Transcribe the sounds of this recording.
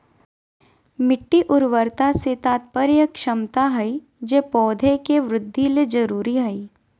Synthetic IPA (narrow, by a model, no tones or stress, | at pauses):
mɪʈːiʔʊɾʋəɾt̪aset̪aːt̪̚pəɾjəkʃɐmt̪aɦɐi | d͡ʒeːpɔːd̪ʱekeʋɾʊd̪ʱːiled͡ʒɐɾuːɾiɦɐi